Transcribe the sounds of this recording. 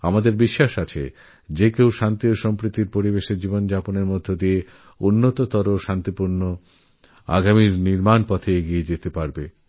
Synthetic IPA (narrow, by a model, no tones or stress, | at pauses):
amad̪eɾbiʃːaʃat͡ɕʰḛ | d͡ʑekewʃant̪ioʃɔmpɾit̪ːiɾpoɾibeʃeɾd͡ʑibond͡ʑaponeɾmod̪ʱːod̪ie | unːot̪ot̪ɔɾoʃant̪ipuɾno | a̰ɡamiɾniɾmanpɔt̪ʰeeɡied͡ʑet̪epaɾbe